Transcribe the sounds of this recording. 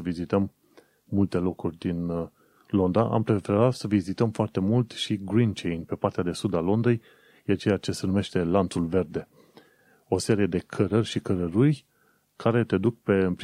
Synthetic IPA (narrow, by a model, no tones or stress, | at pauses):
əvizit̪əmː | ult̪e̞lo̞kurʲd̪in | lo̞nd̪aʔa̰mpɾe̞fe̞ɾat̪səvizit̪əmfoart̪e̞mult̪ʃiɡɾint͡ʃejnpe̞part̪ead̪e̞sud̪alo̞nd̪ej | eat͡ʃe̞jat͡ʃe̞se̞nume̞ʃt̪e̞lant̪sulve̞rd̪e̞ | o̞se̞ɾije̞d̪e̞kʰəɾərʲʃikəɾəɾuj | kʰaɾe̞t̪e̞d̪uk̚pe̞ɨmp